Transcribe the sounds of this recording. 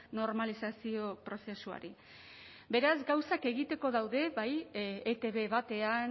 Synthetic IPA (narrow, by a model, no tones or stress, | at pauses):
no̞ɾmalisasio̞pɾo̞se̞sua̰ɾi | be̞ɾazɡawsake̞ɣit̪e̞ko̞ðawðe̞βajet̪e̞βe̞βat̪e̞an